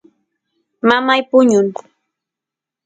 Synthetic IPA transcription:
mamajpʊɲʊn

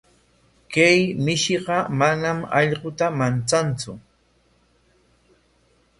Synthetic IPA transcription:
kajmɪʃɪɢɑmanamɑ̰ʎɢʊt̪amant͡sant͡sʊ

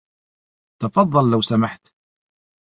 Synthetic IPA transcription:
t̪ɑfɑðˤːɑlːəwsamaħt̪

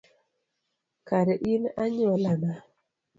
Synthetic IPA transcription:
kaɾɛʔinaɲɔlana

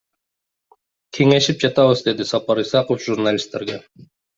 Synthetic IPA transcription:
kʰeŋe̞ʃip̚d͡ʒɑt̪ɑβəzd̪e̞d̪isɑpɑɾisɑqofʒurnalʲist̪ːe̞ɾɡe

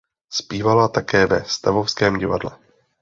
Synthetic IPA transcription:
spiːvalat̪akɛːvɛ̰st̪avofskɛːmɟɪva̰dlɛ̰

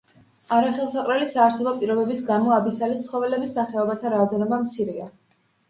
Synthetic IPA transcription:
aɾaχɛlˠsaqʼɾɛlisaːɾsɛlˠɔpʼiɾɔbɛbisɡamɔabisalit̪sʰχɔvɛlɛbisːaχɛɔbat̪ʰaɾaɔd̪ɛnɔbamt̪sʰiɾia

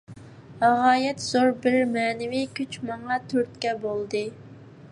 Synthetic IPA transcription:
æʁɑːjɛt̪z̥oɾbɪɾmɛːnɪvikʲʰyt͡ʃmɑŋɑt̪ʰøɾt̪kʲɛbolˠd̪ɨ

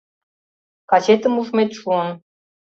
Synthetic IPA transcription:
kɑt͡ɕet̪ə̆muʒmet̪ʃuən

